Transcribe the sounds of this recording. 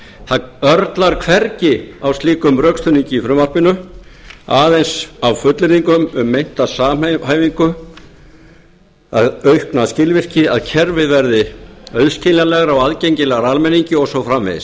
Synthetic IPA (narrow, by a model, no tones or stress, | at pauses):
θaœɾt̪laɾ̥kʰvɛɾcɪawst̪liːkʏmrœkst̪ʰʏniɲcɪifɾʏmvar̥pɪnʏ | aːðejnsawfʏt̪lɪɾiŋkʏmʏmːejn̥t̪asaːmɦaːjviŋkʏ | a̰ðœɥhknaðscɪlvɪr̥cɪaðcʰɛɾvɪðvɛɾðɪœðscɪnalɛɣaɾawaðcejɲcɪlɛɣaɾalmɛniɲcɪɔɣsɔfɾamvɪ̰ðɪ̰s